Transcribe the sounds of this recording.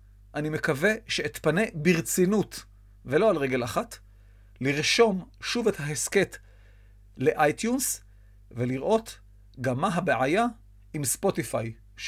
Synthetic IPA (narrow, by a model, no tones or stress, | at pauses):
ʔanimekave̞ʃe̞ːt̪pane̞biʁt͡sinut | ve̞lo̞alʁeɡe̞laχat | liʁʃo̞mʃuvet̪haheske̞t̪ | le̞ʔajt̪juns | veliʁʔo̞t̪ | ɡamaɦabeʕaja | imspo̞tifaj | ʃ